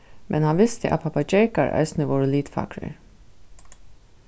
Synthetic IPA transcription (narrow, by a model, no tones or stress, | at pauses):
mʔɛnhɑnʋɪst̪əʔɑ̰pʰɑpɑd͡ʒɛɹkɑ̰ɹʔœ̰ʏsnəʋɔːɹəliːt̪fɑ̰kɹə̰ɹ